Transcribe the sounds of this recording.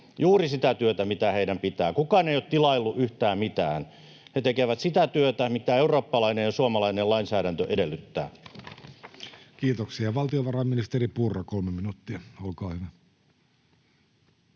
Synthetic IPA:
juːrisit̪æt̪yøt̪æmit̪æheidæmpit̪æːkukɑːneˑijot̪t̪ilɑilːuʔyht̪æːmmit̪æːn | het̪ekeʋæt̪sit̪æt̪yøt̪æmit̪æeuroːpːɑlɑinejjɑsuɑmɑlɑinelɑinsæːɾænt̪øʔedelːyt̪ːæ̰ː | kiːt̪oksiɑʋɑlt̪ioʋɑrɑmːinist̪eripurːɑkolmeminut̪ːiæolkɑːhyʋæ

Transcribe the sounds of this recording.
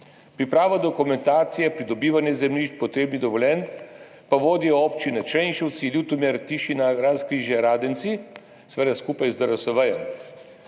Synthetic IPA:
pɾipɾaːʋad̪ɔkumɛnt̪aːt̪sijɛpɾid̪ɔbiːʋanjɛzɛmliːʃt͡ʃpɔt̪ɾeːbnid̪ɔʋɔlʲɛn | paʋoːd̪ijɔopt͡ʃinɛt͡ʃɛnʃɛwt̪silʲut̪umɛɾt̪iʃinaɾanskɾiːʒjɛɾaːd̪ɛnt̪si | sʋɛd̪askuːpajzd̪əɾɔsɔʋəjɔm

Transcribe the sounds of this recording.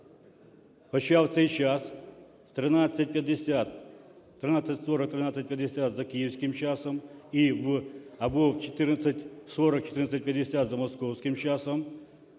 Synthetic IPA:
xɔt͡ʃawt̪sɛjt͡ʃas | w̥t̪ɾɪnasʲːɐt̚ʲpʲjɐd̪esʲat̪ | t̪ɾɪnat͡sʲːɐtʲsɔɾɐk̚t̪ɾɪnat͡sʲɐt̚ʲpjɐd̪esʲat̪zɐkʲijiwsʲkɪmt͡ʃasɔmiwɐbɔwt͡ʃet̪ɪrnɐt͡s̪ʲːɐtʲsɔɾɐk̚t͡ʃe̥t̪ɪɾrnɐt͡sʲɐt̚ʲpʲjɐd̪esʲat̪zɐmɔskɔwsʲkɪmt͡ʃasɔm

